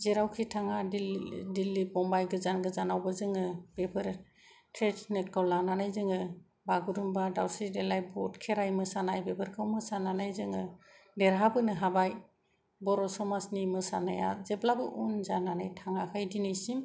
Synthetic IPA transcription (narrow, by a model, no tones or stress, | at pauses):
zeɾawkʰitʰaŋaidilːibɔmbajɡɯzanɡɯzanawbɯzɯŋɯb̥epʰɯɾ | tʰɾetnɯkawlananɯjzɯŋɯ | baɡuɾumbadawsɾidelajbɔtkʰeɾajmɯsanajbepʰɯɾkʰawmɯsananajzɯŋɯ | deɾɦabɯnɯɦabaj | bɔɾɔsɔmasnimɯsa̰naja̰zeblabɯʔunzananajtʰaŋakʰajdinɯjsim